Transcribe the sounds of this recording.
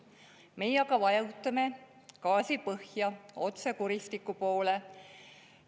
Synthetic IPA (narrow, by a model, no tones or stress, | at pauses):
me̞jɑɡɑvɑjɑwt̪ːˑɑme̞ | kɑːsipɤhjɑo̞t̪sekuɾist̪ikːˑupo̞ːle̞